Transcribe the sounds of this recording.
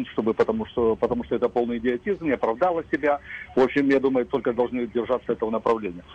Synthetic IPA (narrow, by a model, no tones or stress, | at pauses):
mʂt̪o̞bɨpət̪ɐmuʂt̪opət̪ɐmuʂt̪oɛt̪əpo̞lˠnɨjɪdʲɪɐtʲizmnʲɪɐpɾɐvd̪alˠəsʲɪbʲavo̞pɕːɪmjad̪uməjʊt̪o̞lʲkəd̪ɐlˠʐnɨdʲɪrʐat̪sːəɛt̪əvənəpɾɐvlʲenʲɪjə